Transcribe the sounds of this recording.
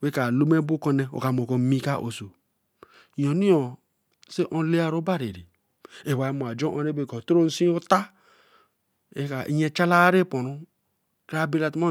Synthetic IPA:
we˦ka˨lo˦me˦bu˦kɔ˦ne˦˨o̰˨ka˨mo˨ko˨˦mi˦ka˦ʔo̰˨so˨ | o˨ni˦ɔ˨ | se˦ʔõ˦le˦a˦ɾo˦ba˦ɾe˨ɾi˨ | e˨wa˨˦mo˨a˨d͡ʒɔ̃˦ʔo˦ɾe˦be˦kɔ˨to˦ɾo˦n̩˦si˦u˦ta˦ | e˦ka˨ʔḭ˦ɲe˦t͡ʃa˦la˦ɾe˦po˨nu˦ | ka˦be˦la˨ta˦

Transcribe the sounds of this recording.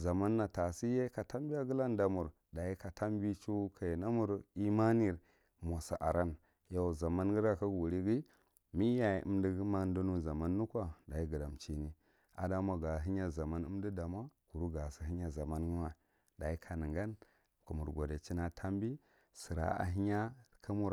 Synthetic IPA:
za˨ma˦nːa˨ta˨si˦je˦ka˨ta˦mbi˦a˦ɡə˦la˦nda˨mu˨ɾ | da˨i˦ka˨tʰa˦mbi˦t͡ʃu˦kʰa˨na˦mu˦ɾi˦ma˦ni˦ɾ | mo˨sa̰˨ʔa˨ɾa˦n | ja˨za˨ma˦nɡi˦ɾa˦ka˦ɡu˨ɾi˦ɡi˦ | mi˦ja˨ʔṵ˦mdi˦ɡi˦ma˦n˦du˦nu˦za˨ma˦nːu˦kʷa˦˨da˨i˦ɡə˨da˨mt͡ʃi˦ni˦ | a̰˨da˦mʷa˨ɡa˨ɦi˦ɲa˦˨za˨ma˦nə˦m˦di˦da˨mʷ˦a˦ku˨ɾu˦ɡa˨si˨ɦi˦ɲa˨za˨ma˦nɡi˦ma˨ | da˨i˦kʰa˨nə˨ŋɡa˦n | ku˨mu˨ɾɡo˨da˨t͡ʃi˦na˦˨tʰa˦mbi˦ | si˨ɾa̰˨a̰˨ɦi˦ɲa˦kʰa˦mu˦ɾ

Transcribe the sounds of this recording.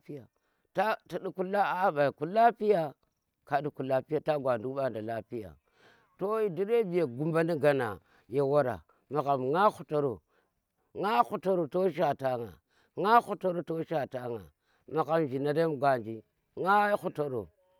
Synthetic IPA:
pi˦ja˨ | ta˦ti˨ɗu˦ku˦la˦a˦ba˨i˨ku˦la˦pi˦ja˦ | ka˨di˦ku˨la˦pi˦ja˨ta˦ɡʷa˨ndu˦ɓa˦nda˨la˦pi˦ja̰˨ | to˦i˦di˦ɾe˦bi˨ja˨ɡu˦mba˦ni˦ɡa˨na̰˨ | ja˨wa˦ɾa̰˨ | ma˨ɣa˨mŋa˦xu˨to˦ɾo˨ | ŋa˦xu˨to˦ɾo˨to˦ʃ̬a˨ta˦ŋa̰˨ | ŋa˦xu˦to˦ɾo˦to˦ʃa˨ta˦ŋa̰˨ | ma˨ɣa˦md͡ʒi˨na˨da˦m˦ɡʷa˨nd͡ʒi˦ | ŋa˦xu˦to˦ɾo̰˨

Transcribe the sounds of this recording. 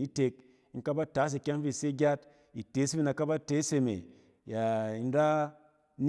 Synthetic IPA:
i˦te˧k̚ | ŋ̩˦ka˦ba˦ta˨˦s̬e˧kʲa˦ŋ˦fi˦˨se˦ɡʲa˦t | i˨te˨˦si˦i˦na˨ka˦ba˦te˨˦se˧mḛ˨ | ja˨i˨˧n˦ɾa˦ | n

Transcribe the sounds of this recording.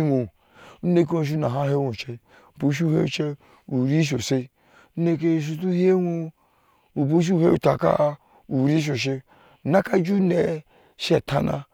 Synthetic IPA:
o˨ | u˦ne˦k̬e˦õ˨ʃ̬u˦na˨ɦa˦ɦe˦wo˨t͡ʃe˦ | u˨bo˨˦ʃ̬i˦he˦u˦˨t͡ʃe˦ | u˨ɾi˦ʃ̬o˨se˦ | u˦ne˦k̬e˦˨ʃ̬u˦tu˦he˦wo˦ | u˨bu˦ʃ̬i˦u˦˨he˦u˨ta˨ka̰˦ | u˨ɾi˦ʃ̬o˨ʃ̬e˦˨ | na˦ka˦d͡ʒu˦ne˨ | ʃe˦˨ta˦na̰˦

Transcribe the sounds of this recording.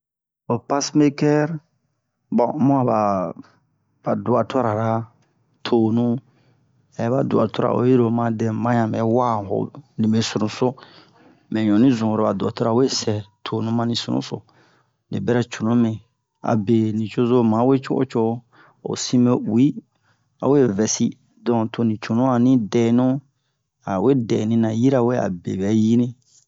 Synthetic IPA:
o˨pa˦sme˦kɛ˦ɾ | bɔ̃˨˦mõ˦a˨ba˨ | ba˨du˨a˨to˦ɾa˨ɾa˦ | tʰo˨nũ˦ | ɛ˨˦ba˨du˨a̰˨to˦ɾa̰˨ʔo̰˨ji˦ɾo˨mã˦dɛ̃˨mã˦ɲã˨mɛ̃˨˦wa˦˨ho̰˨nĩ˨me˨su˨ɾũ˨so˦ | mɛ̃˨ɲɔ̃˨nĩ˦zũ˨ɾo˨ba˨du˨a˨to˦ɾa˨we˦sɛ˨tʰo˨nũ˦mã˦nĩ˧sṵ˦nṵ̃˦so̰˨ | nḭ̃˨bɛ˦ɾɛ˦t͡ʃo˨nũ˦mẽ˨ | a̰˨be˨nĩ˨t͡ʃo˦zo˦mã˨˦we˦t͡ʃo˦ʔo̰˦t͡ʃo˦ | o̰˨sĩ˦me˦wi˦ | a̰˨we˦vɛ˨si˦ | dɔ̃˨tʰo˨nĩ˨t͡ʃo˨nũ˦a˨nĩ˦dɛ˨˦nũ˦ | a˨we˦dɛ˨nĩ˧nã˨ji˦ɾa˨we˦a̰˨bḛ˨bɛ˨˦ji˦nĩ˦

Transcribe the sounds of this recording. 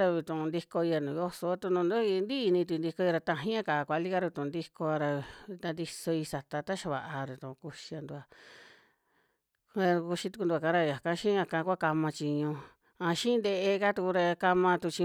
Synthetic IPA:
ɾa˧βi˧t̪ũ˨˧nd̪i˧ko˧i˧a˧nũ˨jo˦so˧˦t̪u˧nũ˧nd̪u˦i˧nd̪i˦˧nĩ˧t̪u˧nd̪i˧ko˧i˧ɾa˧t̪ã˧˨ɦĩ˦ã˦˧ka˨˧kʷa˧li˦ka˦ɾt̪ũ˨˧nd̪i˦ko˧a˧ɾa˧t̪a˧nd̪i˧so˧i˧sa˨t̪a˧t̪a˦ʃa˧βa̰˨ʔa˧ɾu˨t̪ũ˧˨˧ku˧ʃi˧a˧nd̪u˧a˧ | a˧ku˧ʃi˧t̪u̥˧knd̪u˧ka˧˦ɾa˧ja˨kã˧˦ʃĩ˦ã˧kã˧˦˧kʷa˦ka˧mã˧t͡ʃi˧ɲũ˧ | ã˧ʃĩ˦nd̪e˧ʔe˧ka˦t̪u˧ku˧ɾa˧ka˧mã˧t̪u˧t͡ʃi˧

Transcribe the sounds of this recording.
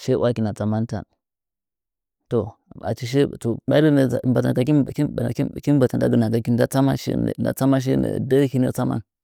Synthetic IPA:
ʃe˦wʔa˦ki˨na˨t͡sa˨ma˦n˦ta̰˨n | to˨ | a̰˨t͡ʃi˦ʃ̬e˦˨to˨ɓa˦lə˦n̰˨ba˨ta̰˨ka˨i˦˨i˦˨˦ki˦m˦ba˨ta˨nda̰˦ɡə˨na˨ka˨ki˦n˦da˦t͡sa˦ma̰˦ʃna̰˨t͡sa˦ma˦ʃ̬e˦nə̰˨da˦hi˦nə˦t͡sa˦ma̰˦n

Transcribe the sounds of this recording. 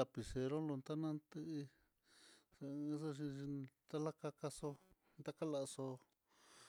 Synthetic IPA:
a˧pi˨se˧ɾo˦lo˧nt̪a˦nã˦nt̪ɨ˦˧i˧ | sso˧ʃ̬i˧ʃi˧t̪a˦la˦ka˧ka˧so˧ | nt̪a˦ka˦la˧so˧

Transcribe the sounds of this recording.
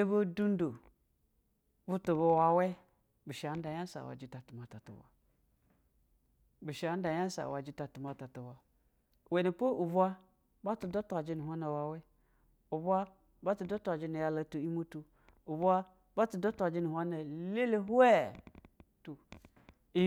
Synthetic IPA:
e˦bu˦du˦n˦do˨ | bu˦tu˨βo˨wa˨we˦ | bu˨ʃa˨˦n˦da˨ja˦sa̰˨wa̰˨d͡ʒi˦ta˨tu˨ma˨ta˨tṵ˨wa̰˨ | bi˨ʃa˨˦n˦da˨ja˦sa̰˨wa˨d͡ʒi˦ta˨tu˨ma˨ta˨tu˨wa˨ | we˨ni˨po˦ʔu˨bʷa˦ | ba˦tu˨do˦ta˨d͡ʒi˦ni˨ɦʷa˦na˨wa˨we˦ | u˨bʷa˦ | ba˦tu˨do˦tu˦a˨d͡ʒi˦ni˨ja˨la˨tu˨i˦mu˦tu˨ | u˨bʷa˦ | ba˦tu˨do˦ta˨d͡ʒi˦ni˨hʷa˦na˨le˦le˦ɦe˦ | tu˨ | i˦

